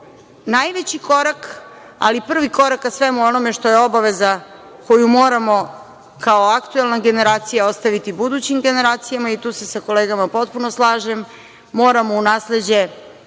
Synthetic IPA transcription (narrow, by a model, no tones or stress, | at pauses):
najʋet͡ɕiko̞ɾak | a̰lipr̩ʋiko̞ɾakasʋemuo̞no̞meʃt̪o̞jeo̞baʋe̞za | ko̞jumo̞ːɾamo̞ | kaoakt̪uelˠnaɡe̞ne̞ɾaːt̪sijaost̪aʋit̪ibud̪ut͡ɕimɡe̞ne̞ɾaːt̪sijamait̪uːse̞sako̞leːɡamapo̞t̪punoslˠaːʒemː | o̞ːɾamo̞unaːsle̞d͡ʑe̞